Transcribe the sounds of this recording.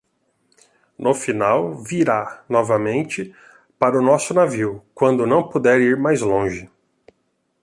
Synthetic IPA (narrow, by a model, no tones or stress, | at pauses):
nʊfinawviɾanɔvɐmẽnt͡ʃɪ | paɾʊnɔsʊnaviwkwɐ̃nd̪ʊnɐ̃w̃pod̪ɛɾiɾmajzlõʒɪ